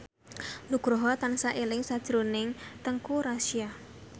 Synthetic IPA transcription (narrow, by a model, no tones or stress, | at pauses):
luɡ̥ɾoɦɔt̪ansaʔelɪŋsad̥ʒ̥ɾonɪŋt̪əŋkuɾasia